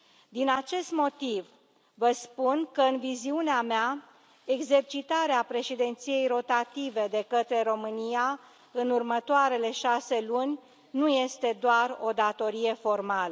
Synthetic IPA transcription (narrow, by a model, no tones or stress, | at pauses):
d̪inat͡ʃe̞st̪mo̞t̪iv | vəspunkəɨnviziuneamea | e̞ɡze̞rt͡ʃit̪aɾeapɾe̞ʃid̪ent̪sije̞jro̞t̪at̪ive̞d̪e̞kət̪ɾe̞ɾo̞mɨnija | ɨnurmət̪oaɾe̞le̞ʃase̞lunʲ | nuje̞st̪e̞d̪oaro̞d̪at̪o̞ɾije̞fo̞rmalə